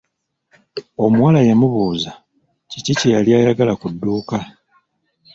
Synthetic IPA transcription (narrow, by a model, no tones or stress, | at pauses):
o̞mwalajemuβuːza | cicicejaljaːjaɡalakudːuːka